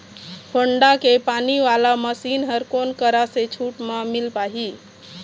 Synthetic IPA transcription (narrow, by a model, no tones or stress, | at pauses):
hʰoɳɖakepaniʋalaməsinɦəɾkonkəɾaset͡ʃʰuʈmemilpaɦi